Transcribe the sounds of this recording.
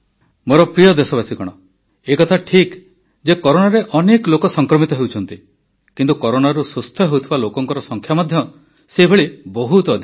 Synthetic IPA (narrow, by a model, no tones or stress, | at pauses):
moɾɔpɾijɔd̪esɔβasikɔɽ̃ɔ | ekɔt̪ʰaʈʰik | d͡ʒekɔɾoɽaɾeʔɔneklokɔsɔŋkɾɔmit̪ɔɦewt͡ʃʰɔnt̪i | kint̪ukɔɾoɽaɾusust̪ʰjɔɦewt̪ʰibalokɔŋkɔɾɔsɔŋkʰjamɔd̪ʱjɔ | seɦibʱeɭibɔɦut̪ɔːd̪ʱi